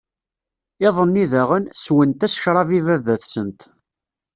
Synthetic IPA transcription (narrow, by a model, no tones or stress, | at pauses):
ɪðˤənːiðæʁənswənt̪æsʃɾˤɑvivævæθsənt̪